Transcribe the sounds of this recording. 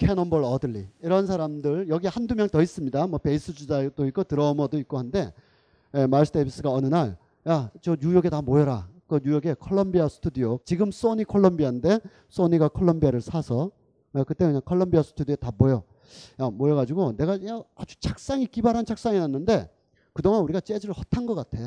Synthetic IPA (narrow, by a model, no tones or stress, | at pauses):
kʰe̞nʌmbʌɭʌdɯɭːiiɾʌns̬ʰaɾamdɯɭjʌɡihandumjʌŋtʌis͈ɯmɲidamwʌpe̞is͈ɯd͡ʑud͡ʑad̥oik͈otɯɾʌmʌdoik̚k͈ohande̞ | jemaɭsʰɯdebʰis͈ɯɡaʌnɯnaɭ | jat͡ɕʌɲujʌɡe̞tamoʌɾakɯɲujʌɡe̞kʰʌɭːʌmbiasʰɯ̥tʰudijot͡ɕiɡɯms͈oɲikʰoɭːʌmbiande̞ | s͈oɲiɡakʰoɭːʌmbiaɾɯɭsʰasʰʌ | ʌkɯt͈emɲaŋkʰoɭːʌmbiasʰɯ̥tʰudietamojo | jamoeɡad͡ʑiɡone̞ɡajaad͡ʑut͡ɕʰak̚s͈aŋik͈ibaɾɦant͡ɕʰak̚s͈aŋinanːɯnde̞ | kɯdoŋanuɾiɡat͡ɕ͈e̞d͡ʑɯɾɯɭhʌtʰanɡʌk͈atʰe̞